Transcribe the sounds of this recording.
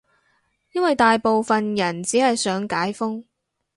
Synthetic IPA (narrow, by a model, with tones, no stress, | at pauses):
jɐ˥nwɐ˨jt̪aː˨jpo˨wfɐ˨njɐ˨˩nt͡siː˨˥hɐ˨jsœː˨˥ŋkaː˨˥jfʊ˥ŋ